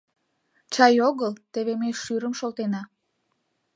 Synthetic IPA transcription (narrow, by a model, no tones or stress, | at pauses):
t͡ɕɑjoɣəlt̪eβemejʃyɾəmʃolt̪enɑ